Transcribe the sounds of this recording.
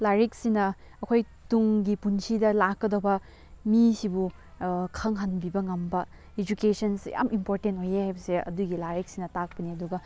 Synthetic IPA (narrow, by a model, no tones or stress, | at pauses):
laɾek̚sinɐ | ɐkʰoj | tuŋɡipunsʰidɐlakːɐdɐwbɐ | misibu | kʰɐŋɦɐnbibɐŋɐmbɐ | ed͡ʒukesɐnsja̰mimpoɾtentojehajbɐseɐ̰duɡilaɾek̚sinɐtak̚pɐniɐduɡɐ